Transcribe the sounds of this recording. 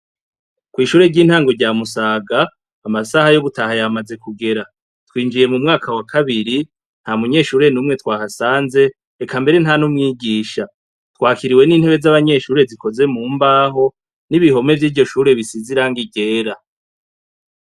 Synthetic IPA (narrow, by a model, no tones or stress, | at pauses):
kwiːʃuːɾe̞ɾɟiːn̥haːŋɡo̞ɾɟaːmusaːɡaː | masahajoɡutahajamaze̞kuɡe̞ɾa | twiːnd͡ʒije̞mumŋaːkʰawakʰaβiɾi | n̥hamuɲe̞ːʃuːɾe̞nuːmŋe̞t̪waːhasaːnze̞ː | kʰambe̞ɾe̞n̥hanumŋiːɡiːʃa | twaːkiɾiweniːnhe̞βe̞zaβaɲe̞ːʃuːɾe̞ziko̞ze̞muːmbaːɦo̞ | niβiɦo̞me̞vjiːvɟo̞ʃuːɾe̞βisiziɾaːŋɡiɟe̞ːɾa